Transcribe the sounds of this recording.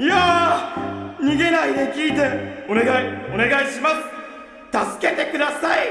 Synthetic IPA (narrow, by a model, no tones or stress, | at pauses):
ja | ɲ̟iɡe̞naid̪e̞kʲiːt̪e̞o̞ne̞ɡaio̞ne̞ɡaiɕimasɨ̥ | t̪asɨ̥ke̞t̪e̞kɯ̟d̪asai